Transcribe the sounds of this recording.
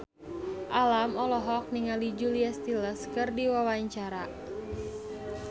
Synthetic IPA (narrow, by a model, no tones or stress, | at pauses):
ʔalamɔlɔɦɔk̚niŋalid͡ʒuliast̪iləskɨrdiwawaɲt͡ʃaɾa